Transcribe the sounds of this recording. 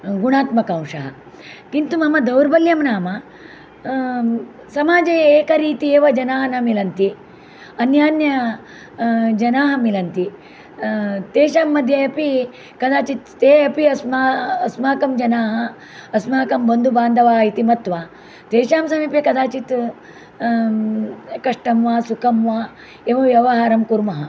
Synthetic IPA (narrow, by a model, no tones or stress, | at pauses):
ɡuɽaːt̪mɐkɐw̃ʂɐɦɐ̰ | kint̪umɐmɐd̪ɐwɾbɐljɐmnaːmɐ | sɐmaːd͡ʒɐjɐeːkɐɾiːt̪ieːʋɐd͡ʒɐnaːɦɐnɐmilɐnt̪i | ɐnjaːnjɐ | d͡ʒɐnaːɦɐmilɐnt̪i | t̪eːʃaːmːɐd̪ʱjɐjɐpi | kɐd̪aːt͡ʃit̪t̪eːɐpiɐsmaːsmaːkɐmd͡ʒɐnaːɦɐː | smaːkɐmbɐnd̪ʱubaːnd̪ʱɐʋaːɦit̪imɐt̪ʋaː | t̪eːʃaːmsɐmiːpjɐkɐd̪aːt͡ʃit̪ | kɐʂʈɐmʋaːsukʰɐmʋaː | eːʋɐʋjɐʋɐɦaːɾɐmkuɾmɐɦɐ